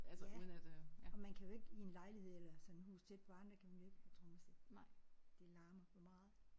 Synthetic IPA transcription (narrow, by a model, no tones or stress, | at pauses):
ælsæunæd̥ɒ̽mænkʰæjo̝e̝ɡ̥əie̝nlɑ̈ɪlihe̝ð̰ˠelɐsɒ̽nehṵːst͡sʰed̥̚pʰɒ̽ɑ̈nd̥ɐkʰæmænjoe̝ɡ̥t͡sʰʁɔːmæse̥ | d̥e̝lɑ̈ːmɐfɒmɑ̈ːð̩ˠ